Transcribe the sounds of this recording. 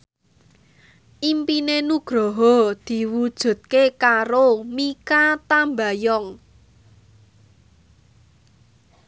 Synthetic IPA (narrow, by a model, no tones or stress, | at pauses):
ʔimpinenuɡ̥ɾɔɦɔd̪̥i̤wud̥ʒ̥ṳt̪̚kekaɾomikat̪amba̤jɔŋ